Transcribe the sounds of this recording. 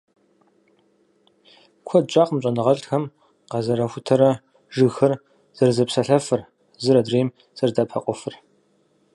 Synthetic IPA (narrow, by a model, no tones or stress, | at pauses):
kʷʰɔd̚t͡ʃʼaːqmɕʷʼɐnɨʁɐɬxɐm | qɑzɐɾɐxʷʊtʰɐɾɐ | ʒɨxɐr | z̥ɐrzɐpsɐɬɐfɨr | zɨɾɐdreːm | z̥ɐrdaːpʰɐ̰qʷʼɔfɨr